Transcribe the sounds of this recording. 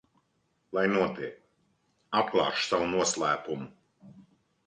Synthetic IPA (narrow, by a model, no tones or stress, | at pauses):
lˠajnuɔt̪iɛk | ap̚klˠɑ̰ːʃsawunuɔslˠæːpumu